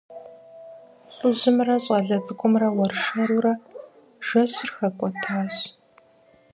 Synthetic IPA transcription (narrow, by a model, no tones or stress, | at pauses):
ɕʷʊʑɪmrɐɕʼɐɮɐd͡zɨkʷʰɔmrɐwɐrʂɐɾuɾɐ | ʒ̥ɐɕɪrxɐkʷʼɔtʰaːɕ